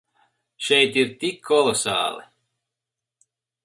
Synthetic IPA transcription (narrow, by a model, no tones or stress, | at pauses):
ʃɛjt̪iɾt̪ikʰːɔlˠɔsa̰ːlˠḭ